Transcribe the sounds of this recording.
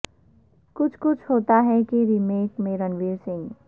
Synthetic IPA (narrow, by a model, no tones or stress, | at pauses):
kʊt͡ʃʰkʊt͡ʃʰɦoːt̪aɦɛkiɾimeːkmẽɾənʋiːɾsɪ̃ŋɡ